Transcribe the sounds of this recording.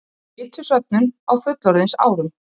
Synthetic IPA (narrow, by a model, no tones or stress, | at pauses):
ɪt̪ʰʏsœp̚nʏnawfʏt̪lɔɾðɪnsa̰ːwɾʏm